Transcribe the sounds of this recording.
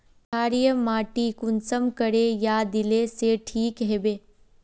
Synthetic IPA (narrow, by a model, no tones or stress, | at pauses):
kʰaːɾijəmaːʈikʊnsəmkəɽejad̪ɪleseʈʰiːkɦeːbeː